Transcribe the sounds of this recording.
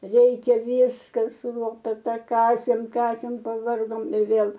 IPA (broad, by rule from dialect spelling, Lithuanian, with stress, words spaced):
ˈrʲɛɪkʲɛ ˈʋʲiːskɐ sʊ ˈlˠoːpʲɛtɐ ˈkɑːsʲeːm ˈkɑːsʲeːm pɐˈʋɐrɡoːm ɪ ˈʋʲeːlˠ